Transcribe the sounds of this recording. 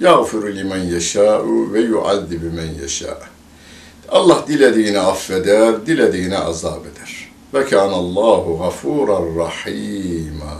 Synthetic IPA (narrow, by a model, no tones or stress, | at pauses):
jaɣfiɾlimanjaʃaːʔuvɛjuʔa̰ðːibimanja̰ʃa̰ːʔ | ʔɑlˠˤːɑhd̪iled̪iːnɛʔafːed̪æɾd̪iled̪iːnɛʔɑ̰za̰ːbed̪æɾ̥ | fækʰaːnalˤːɑːɦʊɣafuːɾˤanrˤɑħiːma